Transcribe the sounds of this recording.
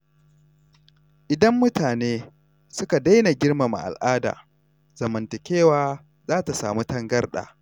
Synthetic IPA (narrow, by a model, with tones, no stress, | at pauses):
ʔɪ˨dɐ˦mːʊ˦taː˨neː˦ | sʊ˦ka˨da˦jna˨ɡʲɪ˦rma˨ma̰˨ʔa̰˨lʔaː˦da̰ː˨ | z̥ɐ˨mɐ˨ntɐ˨kʲeː˦waː˦ | zaː˦ta˨saː˨mu˦tɐ˦ŋɡɐ˦rɗa̰ː˨